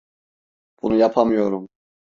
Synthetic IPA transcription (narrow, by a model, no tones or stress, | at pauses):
b̥unujapʰamɯjo̞ɾum